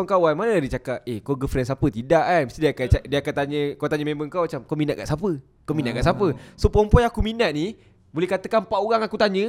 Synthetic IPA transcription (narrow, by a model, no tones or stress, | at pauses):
ŋkawanmanədit͡ʃakat̚ekoɡəfɾɛns̬apət̪idaʔanməst̪idikaadiəakant̪aɲə̃kawt̪aɲəmẽmbəŋkawmat͡ʃamkominat̪ʔ̚ka̰ʔsapə | kominatʔ̚kaʔsapəsopɔmpɔjakuminaʔ̪̚ni | bolɛhkat̪əkanmpaʔoɾaŋakut̪aɲə̃